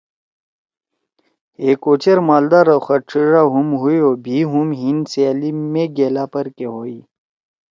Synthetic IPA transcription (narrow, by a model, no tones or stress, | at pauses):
eːkot͡ɕɐɾmaːld̪aːɾaxɐʈ͡ʂʰiɾaɦumɦuioːbʱiːɦumɦinselimeɡeːlaːpɐɾkeɦoːi